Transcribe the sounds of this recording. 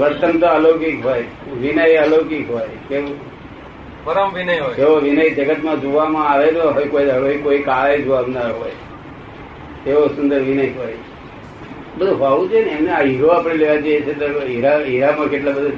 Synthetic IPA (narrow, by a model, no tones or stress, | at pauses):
ʋəɾt̪ənt̪oəlokikɦoj | ʋinəjəlokikɦojkeo | pəɾəmʋinəjɦojkeʋoʋinəjd͡ʒəɡət̪mãd͡ʒoʋamãaʋet̪oɦojkojəʋoikoikaʋed͡ʒoʋamnaɦo̰j | t̪eʋosʊnd̪əɾʋinəjɦoj | bəd̪ʱuɦaʋũd͡ʒʰeneemneaiɾoapɽeleʋad͡ʒəjet͡ʃʰet̪oiɾaiɾamãkeʈlabəd̪ʱu